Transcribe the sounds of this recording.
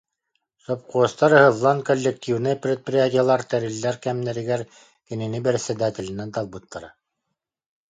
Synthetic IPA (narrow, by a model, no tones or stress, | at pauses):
sop̚quɤst̪ɑɾhɤ̆ðlˠɑnkolʲːek̚t̪ʲivnɤprʲet̪̚prʲiat̪ʲijalˠɑɾt̪æɾild̪æɾkæmnɘ̆ɾɘ̆ɡæɾ | kɘ̆nɘ̆nɘbɘɾsɘd̪æt̪ʲɘ̆lʲɘ̆nːænt̪ɑlˠbut̪ːɑɾɑ̰